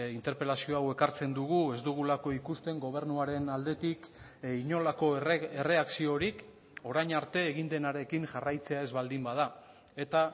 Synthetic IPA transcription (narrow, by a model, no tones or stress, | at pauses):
int̪e̞ɾpe̞lasio̞awe̞kaɾt͡se̞nd̪uɣue̞zd̪uɣ̞ulako̞ikust̪e̞ŋɡo̞β̞e̞ɾnuaɾe̞nald̪e̞t̪ik | iɲo̞lako̞ere̞aksio̞ɾik | o̞ɾajɲaɾt̪e̞ːɣind̪e̞naɾe̞kiŋʝarajt͡se̞ae̞zβald̪imbað̞a | e̞t̪a